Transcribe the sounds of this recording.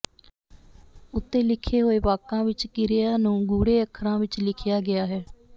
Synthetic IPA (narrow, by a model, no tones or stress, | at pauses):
ʊt̪ːeːlɪkʰːeːɦoːeːʋaːkãːʋɪt͡ʃkɪɾɪjaːnũːɡuːɽeːəkʰːəɾãːʋɪt͡ʃlɪkʰjaːɡɪaːɦɛː